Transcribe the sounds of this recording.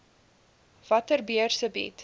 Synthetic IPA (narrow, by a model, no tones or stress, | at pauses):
v̥ɐtərbiərsəbḭt